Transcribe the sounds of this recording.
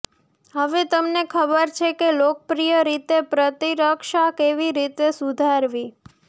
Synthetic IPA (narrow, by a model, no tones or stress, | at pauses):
ɦəʋet̪əmnekʰəbəɾt͡ʃʰekelokəpɾijəɾit̪epɾət̪iɾəkʃakeʋiɾit̪esud̪ʱaɾʋi